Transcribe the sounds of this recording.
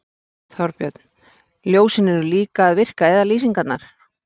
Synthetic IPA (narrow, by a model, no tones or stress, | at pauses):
θɔɾpjœt̪n̥ | ljoːwsɪnɛɾʏliːkaːðvɪr̥kaɛðaliːsiŋkat̪naɾ̥